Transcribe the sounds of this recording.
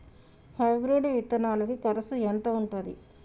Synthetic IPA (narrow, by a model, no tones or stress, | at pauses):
hɐjɡɾuɖuʋit̪ːɐnaːlukikɐɾɐsuent̪oːuɳʈund̪ḭ